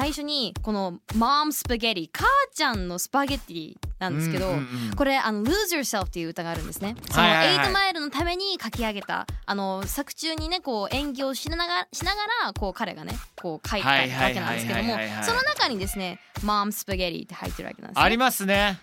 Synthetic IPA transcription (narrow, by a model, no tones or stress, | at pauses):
saiɕo̞ɲ̟iko̞no̞mamɯsɨ̥pɯɡʲeɾʲikʰaːt͡ɕãnːo̞sɨ̥paɡet̪ʲːiɾʲḭnãnd̪sɨ̥ke̞d̪o̞ko̞ɾe̞ʔano̞lɯːzɨjo̞ɾse̞ɾɸt̪ːeiɯ̟ɯ̟t̪aɡaːɾɯ̟̃nd̪e̞sɨne̞sonoeit̪omaeɾɯ̟not̪ame̞ɲ̟ikakʲiaɡe̞t̪a̰ːno̞sakɯ̟̥t͡ɕɨːɲ̟ine̞ko̞ːẽ̞ŋɡʲoːɕiɕinaɡaɾako̞ːkaɾe̞̰ɡa̰ne̞̰ko̞ːkʰait̪aβake̞nã̰d̪sɨked̪omo̞so̞nonakaɲ̟id̪e̞sɨne̞mãːmɯsɨ̥pɯɡʲeɾʲḭt̪ːeha̰it̪ːe̞ɾɯ̟βa̰keã̰d̪̰aɾʲimasɨne